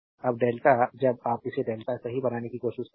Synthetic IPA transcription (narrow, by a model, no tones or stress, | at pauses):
ɐbɖeːlʈad͡ʒɐb̚aːp̚ɪseɖeːlʈ̪asɐɦibɐnaːnekikoːʃɪʃ